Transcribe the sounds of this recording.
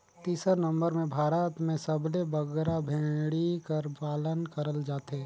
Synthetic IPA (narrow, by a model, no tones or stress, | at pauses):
t̪iːsəɾnɐ̃mbəɾmẽbʱaːɾət̪mẽsəblebəɡɾabʱẽːɽikəɾpaːlənkəɾəld͡ʒaːt̪ɦeː